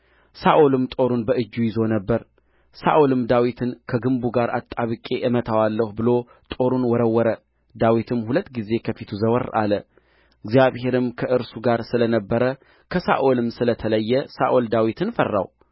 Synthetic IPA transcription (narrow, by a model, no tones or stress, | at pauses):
saʔolɨmt̪ʼo̞ɾunbəʔɨd͡ʒːujɪzo̞nəbːəɾ | sa̰ʔolɨmd̪awit̪ʰɨnkʰəɡɨmbuɡaɾʔa̰t̪ʼːaβɨkʼe̞ʔɨmət̪ʰawalːəhubɨlo̞ | t̪ʼo̞ɾunwɔɾəwːɔɾə | d̪awit̪ʰɨmhulət̪ːɡize̞kʰəfit̪ʰuzəwəɾa̰lə | ɪɡzijaβhe̞ɾɨmkʰəʔɨɾsuɡaɾsɨlənəbːəɾə | kʰəsa̰ʔolɨmsɨlət̪ʰələjːɛsa̰ʔold̪awit̪ʰɨnfərːa̰w